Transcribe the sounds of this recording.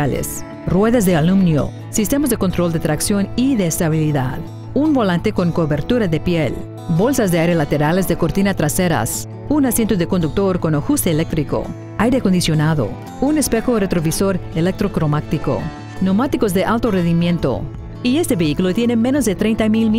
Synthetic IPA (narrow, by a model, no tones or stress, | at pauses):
alḛs | rwe̞ðazðealumnjo̰ | sist̪e̞mozðeko̞nt̪ɾold̪et̪ɾaksjo̞niðeːst̪aβiliðað | unbo̞lãnt̪eko̞ŋkoβeɾt̪uɾaðepjel | bo̞lsazðeajɾelat̪eɾalezðekoɾt̪inat̪ɾaseɾa̰s | unasje̞nt̪oðekond̪uk̚t̪o̞ɾko̞noxust̪eːlek̚t̪ɾiko̰ | ajɾeko̞nd̪isjonaðo̰ | unespexoret̪ɾoβiso̞ɾelek̚t̪ɾokɾomakt̪iko̰ | nomat̪ikozðeʔalt̪orenðimje̞nt̪o̰ | ie̞st̪e̞βeikulot̪jene̞menozðet̪ɾe̞jnt̪amilm